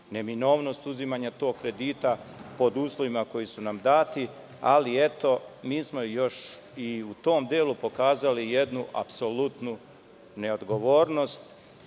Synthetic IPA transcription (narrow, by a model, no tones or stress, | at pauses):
ne̞mino̞ːʋno̞st̪uzimaːɲat̪o̞ːɡ̚kɾe̞d̪iːt̪apo̞d̪uːslˠo̞ʋimako̞jisunamd̪aːt̪i | alie̞t̪o̞miːsmo̞jo̞ʃ | iut̪o̞ːmd̪eːlupo̞kaːzalije̞d̪nuʔa̰pso̞lut̪nu | ne̞o̞d̪ɡo̞ʋo̞ːɾno̞st̪